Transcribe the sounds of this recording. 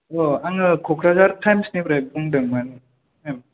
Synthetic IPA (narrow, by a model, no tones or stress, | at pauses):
ɔaŋɯkʰɔkʰɾazaɾtʰajmsnibɾajbɯŋdɯŋmanɯ | em